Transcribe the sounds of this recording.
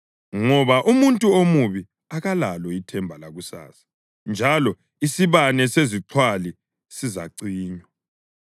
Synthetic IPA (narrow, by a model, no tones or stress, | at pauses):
ŋɔβaʔumuntʼuomuβi | aɣalalɔitʰɛmbʱalaɣusa̰ːsḁ | nd͡ʒʱalɔ | isiβanɛseziǁʰwali | siza̰ǀiːɲwɔ